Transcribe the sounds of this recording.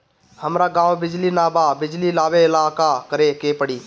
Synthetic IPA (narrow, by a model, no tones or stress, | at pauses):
həmɾaɡãːʋbɪd͡ʒlinaːbabɪd͡ʒlilaːʋeɪlaːkakəɾekepəɽiː